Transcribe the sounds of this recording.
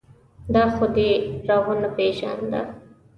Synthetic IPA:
d̪aːxʊd̪eɾaːɦonɐpeːʃa̰nd̪a̰

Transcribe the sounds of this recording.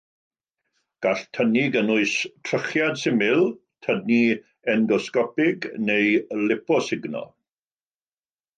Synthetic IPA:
ɡ̥aɬtʰəniɡənʊɨstʰrəχjadsɪmɪlˠ | tʰəni | ɛnɡɔskɔpɪɡnejlɪpɔsɪɡnɔ̰

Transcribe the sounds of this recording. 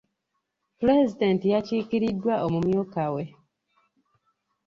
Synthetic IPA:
pɾezidentijaciːkiɾidːwaʔomumjokawe

